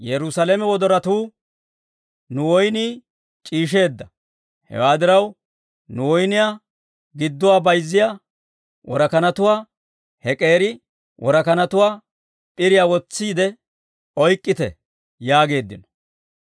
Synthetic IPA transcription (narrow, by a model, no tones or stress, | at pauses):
jɛɾʊsɐlemɛwɔd̪ɔɾɐt̪uː | nʊwɔjniː | t͡ʃʼiːʃ̬e̞ːd̪ːɐ | hɛ̰waːd̪ɪɾɐw | nʊwɔjnɪjaː | ɡɪd̪ːɔwaːbɐjzːɪja | wʔɔɾɐkɐnɐt̪ʊwaː | hɛkʼe̞ːɾɪ | wʔɔɾɐkɐnɐt̪ʊwaː | pʼɪɾɪjaːwɔt͡sːiːd̪ɛ | ɔjkʼːɪt̪ɛ̰ | jaːɡe̞ːd̪ːɪnɔ̥